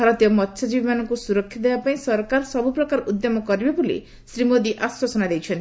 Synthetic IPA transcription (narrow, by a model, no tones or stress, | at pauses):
bʱaɾɔt̪ijɔmɔt̪ːʃʰɔd͡ʒibimanɔŋkusuɾɔkʰːjɔd̪ebapaĩsɔɾkaɾsɔbupɾɔkaɾɔʔud̪jɔmɔkɔɾibabulḭ | sɾimod̪iʔaswasɔnad̪ejt͡ʃʰɔnt̪i